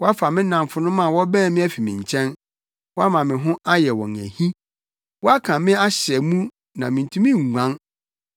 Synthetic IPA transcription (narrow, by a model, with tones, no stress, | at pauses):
wɔ˦a˦fa˨mɪ̃˦nã˨ɱfʊ˨nʊ̃˦mã˦˨wɔ˦bæ̃ː˦˨mɪ̃˦æ˦fi˨mɪ̃˨ɲ˨t͡ɕʰɛ̃˦n | wɔ˦a˦mã˨mɪ̃˨ɦʊ̃˦ʔa˦jɛ˨wɔ̰̃˨næ̰˨hĩ˦ | wɔ˦a˦kʰã˨mɪ̃˦a˦ɕɪ˨ɛ˨mũ˦ | nã˨mɪ̃˨n̩˨tʰũ˦mĩ˦˨ŋʷã˦n